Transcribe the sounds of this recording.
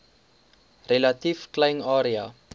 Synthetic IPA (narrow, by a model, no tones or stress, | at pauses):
relɐtifklɐjnɑːɾia̰